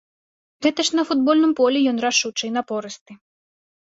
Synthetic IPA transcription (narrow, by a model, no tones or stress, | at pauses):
ɣɛt̪ɐʂnɐfud̪̚bɔlʲnɨmpɔlʲɛjɔnraʂut͡ʂɨjnɐpɔɾɨst̪ɨ